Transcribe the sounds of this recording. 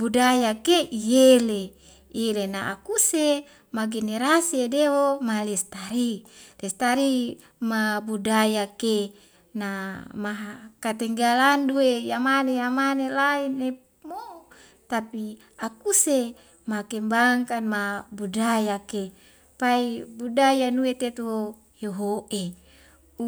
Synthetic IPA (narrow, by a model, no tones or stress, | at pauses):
budajakeijele | ielenaʔa̰kuse | maɡeneɾasiedewomalɛst̪aɾilɛst̪aɾi | mabudajake | namaɦakat̪ɛŋɡalanduejamanejamanelaine | mo | t̪api | akuse | makembaŋkanmabudajake | paibudajanuet̪et̪wo | joɦoʔe